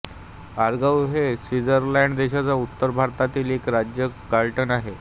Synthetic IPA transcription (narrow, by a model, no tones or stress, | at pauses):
aɾɡawɦesʋid͡zəɾlɛɳɖd̪eɕat͡saut̪ːəɾbʱaɾt̪at̪iːlekɾad͡ʑjəkaɭʈənaɦe